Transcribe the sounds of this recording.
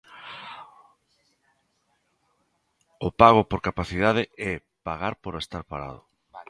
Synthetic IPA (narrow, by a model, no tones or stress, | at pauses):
ʊpaɣʊpoɾkapaθiðaðeɛ | paɣaɾpoɾest̪aɾpaɾa̰ð̞ʊ